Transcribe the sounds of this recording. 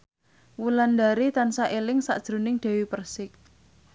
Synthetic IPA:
wuland̪aɾit̪ansaʔelɪŋsa̰ʔd̥ʒ̥ɾo̤nɪŋɖ̪̥ɛ̤wipərsɪk̚

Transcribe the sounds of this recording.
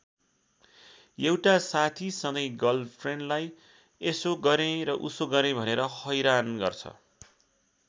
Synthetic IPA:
ewʈasat̪ʰisʌŋʌjɡʌlpʰreɳɖlaj | esoɡʌɾẽɾʌʔusoɡʌɾẽbʱʌneɾʌhʌjɾanɡʌ̰rt͡sʰʌ̰

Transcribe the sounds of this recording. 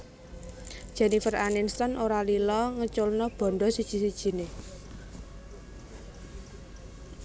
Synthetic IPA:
d̥ʒ̥ɛ̤nifəraninst̪ɔnʔoɾalilɔŋət͡ʃʊlnɔb̥ɔ̤ɳɖɔsid̥ʒ̥i̤sid̥ʒ̥i̤ne

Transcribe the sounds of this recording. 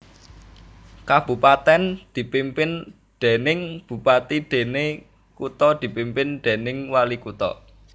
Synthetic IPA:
kab̥ṳpat̪ɛnd̪̥i̤pimpɪn | ɖ̪̥e̤nɪŋb̥ṳpat̪iɖ̪̥e̤ne | kut̪ɔd̪̥i̤pimpɪnɖ̪̥e̤nɪŋwalikut̪ɔ̰

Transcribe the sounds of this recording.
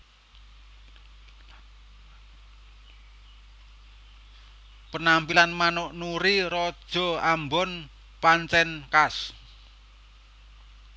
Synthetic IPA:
pənampilanmanoʔnuɾiɾɔd̥ʒ̥ɔ̤ambɔn | pant͡ʃɛnkas

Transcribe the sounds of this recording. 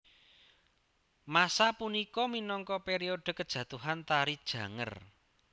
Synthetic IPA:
masapunikɔminɔŋkɔpeɾioɖ̥ə̤kəd̥ʒ̥ä̤t̪uɦant̪aɾid̥ʒ̥ä̤ŋə̰r

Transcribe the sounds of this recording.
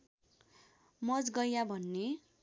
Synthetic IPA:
mʌd͡zɡʌjabʱʌnːe

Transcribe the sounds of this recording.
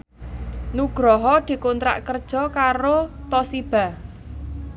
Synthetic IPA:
nuɡ̥ɾɔɦɔd̪̥i̤kont̪ɾa̰ʔkərd̥ʒ̥ɔ̤kaɾot̪ɔsib̥a̤

